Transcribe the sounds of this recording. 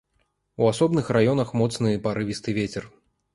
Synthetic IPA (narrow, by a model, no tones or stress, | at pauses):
uasɔbnɨxrajɔnɐxmɔt̪snɨpaɾɨvʲist̪ɨvʲet͡sʲɛr